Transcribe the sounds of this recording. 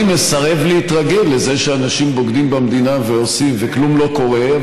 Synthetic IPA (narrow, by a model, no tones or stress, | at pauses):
mesaʁe̞vleit̪ʁaɡe̞lːe̞ze̞ʃeanaʃimbo̞ɡd̪imbamd̪inaveo̞simveklumlo̞ko̞ʁe